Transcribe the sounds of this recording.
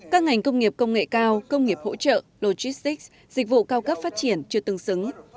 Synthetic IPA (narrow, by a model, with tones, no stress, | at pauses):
kaː˦˥k̚ŋa˨˩jŋ̟kə˧wŋ͡mŋi˨˩əp̚kə˧wŋ͡mŋḛ˧˨kaː˧wkə˧wŋ͡mŋi˨˩əp̚ho̰˧˥t͡ɕə̰ː˧˨lo˧zi˦˥st̪i˦˥k̚ | zi˨˩k̟̚vṵ˧˨kaː˧wkə˦˥p̚faː˦˥t̚t͡ɕi˧˩ənt͡ɕɨ˧ət̪ɨ˧ŋsɨ˨˦ŋ